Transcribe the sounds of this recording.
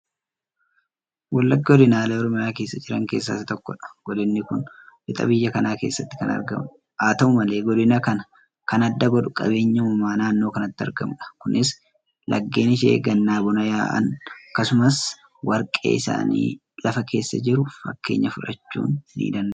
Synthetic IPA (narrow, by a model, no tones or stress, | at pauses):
wɐlːɐɡːɐɔd̪ɪnaːlɐɔɾɔmɪjaːke̞ːsːɐd͡ʒɪɾɐŋke̞ːsːɐ̰t̪ɪt̪ɔkːɔᶑɐ̥ɡ̥ɔd̪ɪnːɪkʊnʔɪt̪ʼɐ̰bɪjːɐkɐnaːke̞ːsːɐt̪ːɪ̥kɐnɐ̰ɾɡɐ̰m | aːt̪ɐʊmɐle̞ːɡɔd̪ɪnɐkɐnɐ | kɐnɐd̪ːɐɡɔd̪ᶑʊkʼɐ̰be̞ːɲːɐmʊmaːnaːnːo̞ːkɐnɐt̪ːɪɐ̰ɾɡɐmᶑɐ̥kʊnʔɪs | lʔɐ̰ɡːe̞ːnɪʃ̬ḛːɡɐnːaːbʊnɐja̰ːʔɐ̰nɐkːɐsʊmɐs | wɐɾkʼḛːɪsa̰ːnḭː | lɐfɐkʰe̞ːsːɐd͡ʒɪɾʊfɐ̰kːe̞ːɲːɐfʊᶑɐ̰t͡ʃːṵːnnːḭːd̪ɐnd̪